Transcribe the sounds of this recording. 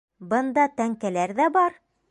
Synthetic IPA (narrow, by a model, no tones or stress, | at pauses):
bɤ̆nd̪ɑt̪æŋkælæɾðæbɑɾ